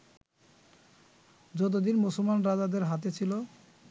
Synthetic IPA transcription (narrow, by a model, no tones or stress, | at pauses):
d͡ʑɔt̪̬od̪inmosolmanɾad͡ʑad̪eɾɦat̪̬et͡ɕʰilo